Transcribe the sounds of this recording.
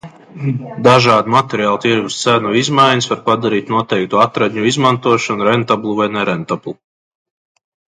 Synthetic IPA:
d̪aʒaːd̪umat̪ɛɾijaːlˠt̪iɾɡust̪sænuizmajɲusvaɾpad̪aɾiːt̪nuɔt̪ɛjk̚t̪uːat̪ɾad̪ɲuizmant̪uɔʃɔnuɾɛnt̪ablˠuvajnɛɾɛnt̪ablˠu

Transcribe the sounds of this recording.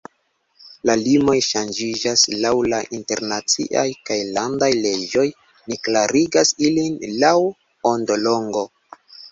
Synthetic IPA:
lalimo̞jʃand͡ʒid͡ʒaslawlaʔinte̞ɾnat͡sḭʔajkajlandajle̞d͡ʒo̞j | niklaɾiɡasilinlaw | ondo̞lo̞ŋɡo̞

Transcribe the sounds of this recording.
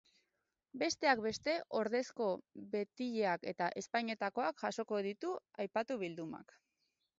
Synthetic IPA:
be̞st̪e̞akbe̞st̪e̞ʔo̞ɾðe̞sko̞βe̞t̪iʎe̞ake̞t̪aʔe̞spajɲe̞t̪ako̞akʝaso̞ko̞ð̞it̪uajpat̪uβild̪uma̰k

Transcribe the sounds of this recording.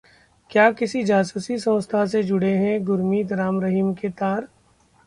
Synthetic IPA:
kjaːkɪsid͡ʒaːsuːsisɐ̃wst̪ʰased͡ʒʊɽeɦɛ̃ɡʊɾmiːd̪ɾaːmɾɐɦimket̪aːɾ

